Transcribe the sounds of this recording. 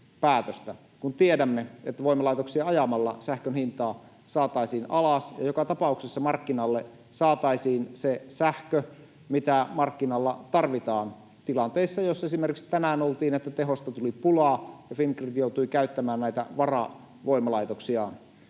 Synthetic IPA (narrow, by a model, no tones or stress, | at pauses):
pæːt̪øst̪æ | kunt̪iedæmːeet̪ːæʋoimˑɑlɑit̪oksiɑɑjɑmɑlːɑ̰sæhkønhint̪ɑː | sɑːt̪ɑisiːnɑlɑsjɑ̰jokɑt̪ɑpɑuksesːɑmɑrkːinɑlːe | sɑːt̪ɑisiːnsesæhkø | mit̪æmɑrkːinɑlːɑt̪ɑrʋit̪ɑːn | t̪ilɑnt̪eisːɑjosːesimerkikst̪ænæːnolt̪iːnet̪ːæt̪eɦost̪ɑt̪ulipulɑːjɑfiŋkrit̪jout̪uikæyt̪ːæmæːnnæˑit̪æ̰ʋɑrɑ̰ | ʋoimɑlɑit̪oksiɑ̰n